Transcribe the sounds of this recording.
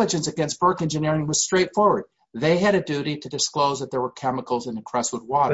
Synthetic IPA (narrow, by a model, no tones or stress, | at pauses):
əd͡ʒɨ̃nsɨɡɛ̃ns̚b̥ɜ˞kɛ̃nd͡ʒɨnɪɹɪ̃ŋwʌz̥stɹ̥eɪtfɔɹwə˞d̪̚ | ðeɪɨɾɨdʉɾiɾɨdɨskloʊzðət̪̚ðə˞wə˞kʰɛməkl̩ˠzɨ̃nɨkʰɹ̥ɛswəd̚wɔɾə